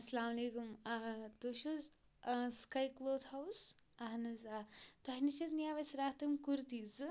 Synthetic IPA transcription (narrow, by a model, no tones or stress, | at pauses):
ɐsɐlaːmɐleːkumt̪uʃuz | skɐjkloːd̪hɐws | ɐɦnɐzat̪ɐniʃɐznijaːʋɐsɾaːt̪ɐmkuɾt̪iːz